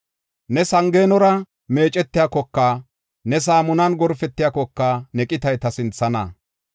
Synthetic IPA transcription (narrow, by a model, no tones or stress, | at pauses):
nɛsɐŋɡe̞ːnɔɾɐ | me̞ːt͡ʃʼɛt̪ːɪjakɔkːaː | nɛs̬aːmʊnɐnɡɔɾfɛt̪ːɪjaːkɔkːaːnɛkʼɪt̪ɐjt̪ɐsɪnt͡sːɐnɐ